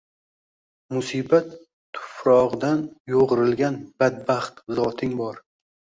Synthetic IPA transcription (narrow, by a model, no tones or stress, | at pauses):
mʊsibat̪ʰː | ʊ̥fɾɒʁd̪anjoʁɨɾɪlɡʲanb̥ad̪̚baχt̪zɒt̪ʰɪŋbɒɾ